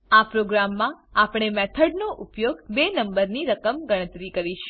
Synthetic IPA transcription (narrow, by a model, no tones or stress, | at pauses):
apɾoɡɾamːãapɳ̃emɛt̪ʰəɖnoʔʊpjoɡbenəmbəɾniɾəkəmɡəɽ̃ət̪ɾikəɾiʃ